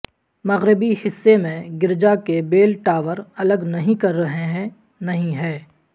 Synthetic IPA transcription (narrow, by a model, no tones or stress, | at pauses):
mɐɣɾɪbihɪsːemẽɡɪɾd͡ʒakebeːlʈaːʋəɾɐləɡnɐɦĩkɐɾːɐɦeɦɛ̃ | nɐɦĩɦɛ̃ː